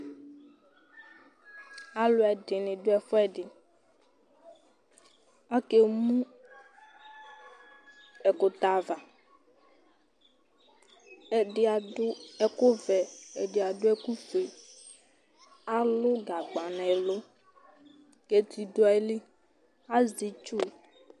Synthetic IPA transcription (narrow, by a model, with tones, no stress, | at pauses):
a˦lʊ˦ɛ˨ɖɪ˨nɪ̃˨dʊ˦ɛ˨fɔ˦ɛ˦ɖɪ˨ | a˦ke˦mũ˦ | ɛ˨kʊ˨t̪a˨va˨ | ɛ˨ɖɪ˦a˨dʊ˦ɛ˨kʊ˦vɛ˨ɛ˨ɖɪ˨a˨ɖʊ˦ɛ˦ku˦fe˨ | a˦lʊ˦ɡa˨ɡ͡ba˨nã˨ɛ˨lo˦ | ke˨t̪i˨do˦ɛ˨li˦ | a˦zi˨t͡ʃu˦˨